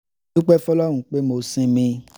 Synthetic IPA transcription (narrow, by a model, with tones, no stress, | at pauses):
u˦k͡pɛ˦fɔ˦lɔ˦ɾ̃ũ˨k͡pe˦mo˨˧sĩ˧mĩ˧